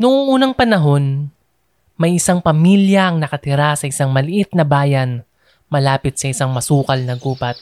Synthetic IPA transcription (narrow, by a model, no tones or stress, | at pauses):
nʊŋʔuːnɐŋpɐnɐɦo̞n | mɐjʔɪsaŋpɐmiljɐʔɐŋnɐkɐt̪ɪɾasɐʔɪsaŋmɐlɪʔɪt̪̚nɐbaːjɐn | mɐlaːpɪt̪̚sɐʔɪsaŋmɐsuːkɐlnɐɡuːpɐt̪̚